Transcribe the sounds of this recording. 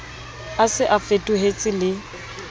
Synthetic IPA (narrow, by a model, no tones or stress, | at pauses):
asɪʔafetʼuɦet͡sʼɪlɪ